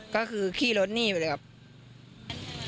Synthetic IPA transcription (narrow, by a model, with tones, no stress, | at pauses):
kɔː˥˩kʰɯː˧kʰiː˥˩lo˦˥t̪̚niː˥˩pa˨˩lə˧˩kʰa˦˥p̚